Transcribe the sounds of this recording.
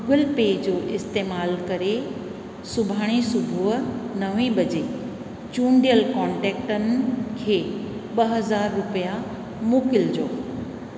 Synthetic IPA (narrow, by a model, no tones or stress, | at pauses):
ʊɡəlpeːd͡ʑoːʔɪst̪eːmaːlkɐɾe | sʊbʱaːɽ̃isʊbʱuɦnɐʋĩɓɐd͡ʑe | t͡ɕũːɳɖijəlkɔːɳʈɛːkʈənɪ̆kʰeːɓɐɦɐzaːɾːʊpija | moːkɪld͡ʑoː